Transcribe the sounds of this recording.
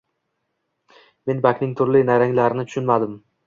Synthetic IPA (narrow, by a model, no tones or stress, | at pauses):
me̞nbakʲnɪŋt̪ʰʊɾlinaɾaŋlaɾɪnɪt̪ʰʊ̥ʃʊnmad̪ɪm